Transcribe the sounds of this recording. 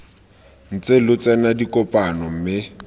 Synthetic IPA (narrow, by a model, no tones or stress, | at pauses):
n̩t͡sʼelʊt͡sʼɛnadikʼɔpʼanɔm̩mɪ